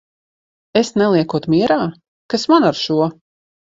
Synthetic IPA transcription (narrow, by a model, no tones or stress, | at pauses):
esnɛlˠiɛkuɔt̪miɛɾaː | kasmanaɾʃuɔ